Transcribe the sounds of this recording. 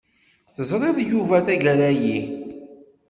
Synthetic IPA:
θəzˤɾˤeðjuvæθæʝəɾæji

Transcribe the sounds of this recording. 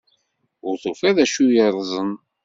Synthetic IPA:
ʊɾθufæðæʃujəɾˤzˤən

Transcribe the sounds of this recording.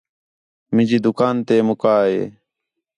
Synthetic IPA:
mɪ̃d͡ʒiːd̪ʊkaːnt̪eːmʊkaːɦḛː

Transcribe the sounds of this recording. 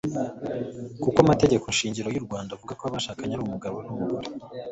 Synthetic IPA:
kukwamate̞ɟe̞konʃiːɲɟiɾo̞juɾɡwaːndauvuɡakoaβaʃaːkaɲaɾumuɡaɾonumuɡuɾe

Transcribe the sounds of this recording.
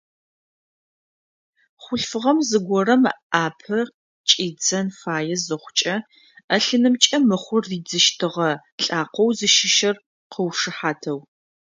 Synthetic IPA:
χʷʊɬfɨʁɐmzɨɡʷɔrɐmaːpʰɐ | t͡ʃʼiːd͡zɐnfaːjɛzɨχʷʊt͡ʃʼɐ | ɐɬɨnɨmt͡ʃʼɐmɨχʷʊrːiːd͡zɨʃtʰɨʁɐ | ɬʼaːqʷɔwzɨʃɪʃɐr | qʰəwʂɨħaːtʰɐw

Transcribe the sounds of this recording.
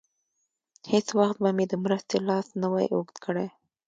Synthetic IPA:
het͡swaxt̪̚bamed̪əmɾəst̪elɑsnəwa̰jʔo̰ɡd̪kʰəɽa

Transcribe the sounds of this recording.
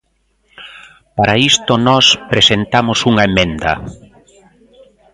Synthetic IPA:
paɾaist̪ʊnɔspɾesent̪amʊsuŋɐemẽnd̪ɐ̰

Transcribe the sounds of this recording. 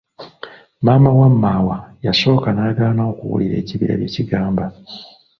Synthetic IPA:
maːmawamːawajaso̞ːkanaːɡaːnao̞kuwṵlʔiɾe̞̰ːciβiɾa̰βjeciɡaːmba

